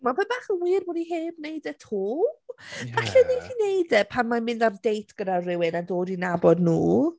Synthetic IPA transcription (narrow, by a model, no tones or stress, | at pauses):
mapʰɛbaːχəwiːrboːdiɦeːbnejdɛtʰuː | vaɬɛnitʰinejdɛpʰanmamɪ̃ndardejtʰɡ̥ədarɪwɪnandoːdinabɔdnuː